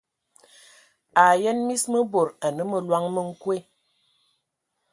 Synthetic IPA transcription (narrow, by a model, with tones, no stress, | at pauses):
a˨jɛ˦nmi˦smə˦bo˨ɾa˨nə˦mə˨lwa˦ŋmə˦ŋ̩˦kwe˦